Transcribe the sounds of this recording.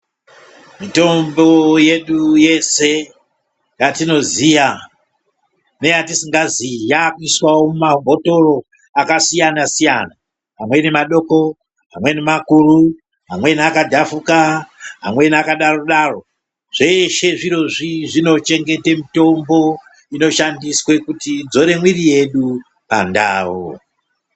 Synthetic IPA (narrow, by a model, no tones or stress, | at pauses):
mito̞mbo̞je̞ɗuje̞se̞ | jatino̞ziʋa | ne̞jatisiŋɡazijakuiswawomumabʱo̞to̞ro̞ | akasijanasijana | ɦamwe̞nemaɗo̞ko̞ | ɦamwe̞nemakuru | ɦamwe̞niakadʱafukaɦa̰mwe̞nakaɗaroɗaro̞ | ʐ̥e̞ʃe̞ʐiɾo̞ʐiʐino̞t͡ʃe̞ŋɡe̞temito̞mbo̞ | ino̞ʃandiswe̞kutid͡zo̞ɾe̞mwirije̞ɗu | pa̰nda̰ːwo̰